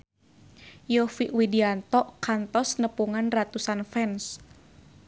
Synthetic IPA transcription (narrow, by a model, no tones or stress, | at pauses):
jɔfiʔwidiant̪ɔʔkant̪ɔsnəpuŋanrat̪usanfɛns